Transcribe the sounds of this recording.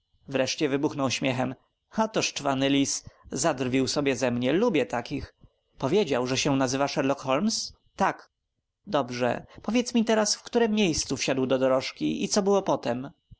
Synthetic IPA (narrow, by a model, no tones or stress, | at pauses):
vɾɛʂt͡ɕɛvɘbuxnɔwɕmʲjɛxɛm | at̪ɔʂt͡ʂvanɘlʲiszad̪ɾrvʲiwsɔbʲjɛzɛmɲɛlubʲjɛt̪akʲix | pɔvʲjed͡ʑawʐɛɕɛnazɘvaʂɛɾlɔkxɔlms | t̪ak | d̪ɔbʐɛ̰pɔvʲjɛt̪smʲit̪ɛɾasfkt̪uɾɛmːʲjejst̪sufɕad̪wd̪ɔd̪ɔɾɔʂkʲiʔit̪sɔbɘwɔpɔt̪ɛm